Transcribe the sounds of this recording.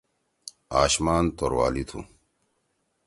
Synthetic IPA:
aːɕmaːnt̪oɾwa̰ːlit̪ʰṵ

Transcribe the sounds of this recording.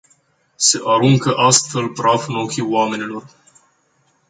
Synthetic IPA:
se̞ʔaɾuŋkəʔast̪fe̞lpɾafno̞kʲiwame̞nilo̞r

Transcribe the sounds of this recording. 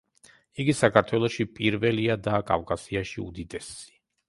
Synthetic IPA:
iɡisakʰaɾt̪ʰwɛlˠɔʃipʼiɾvɛliad̪akʼa̰vkʼasiaʃiṵd̪id̪ɛsi̥

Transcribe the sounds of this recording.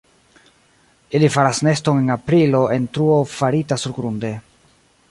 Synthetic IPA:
ilifaɾasne̞stoŋe̞napɾilo̞e̞ntɾuofaɾitasuɾɡɾunde̞

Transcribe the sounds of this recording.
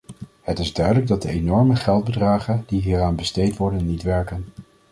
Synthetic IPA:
hətɪzdœɥdələɡ̚dɑt̚dəenɔɹməχɛlˠd̚bədraːχəndiɦiːraːnbəstejtʋɔɹdənːitʋɛɹkən

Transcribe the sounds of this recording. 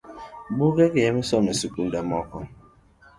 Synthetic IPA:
ɓuɣɛkejɛmisɔmesikumdamɔkɔ

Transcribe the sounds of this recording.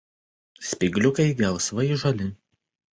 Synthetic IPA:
sʲpʲɪɡlʲʊkɐɪɡʲɛlˠsʋɐɪʒɔlʲɪ

